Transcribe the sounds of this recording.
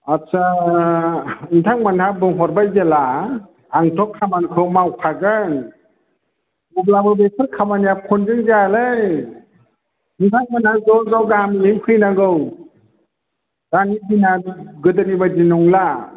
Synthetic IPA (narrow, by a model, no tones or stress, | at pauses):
at͡ʃa | ɯntʰaŋmanhabɯŋɦɔɾbajzelaː | ŋtʰɔkʰːamankʰɯwmawkʰaɡɯn | bublabɯbekʰɯɾkʰamanijakʰɔnd͡ʒɯŋzalɯj | ɯntʰaŋ̚manhazɔɡɔwɡamlimkʰɯjnaɡɯw | d̥anibinaɡɯdɯnibad͡ʒinɔŋla